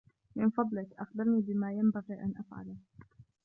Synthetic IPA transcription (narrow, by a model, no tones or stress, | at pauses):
mɪnfɑd̪ˤlɪkʔɑxd̪ɑɾˤniːbɪmaːjambaɣiːʔanʔafʕa̰l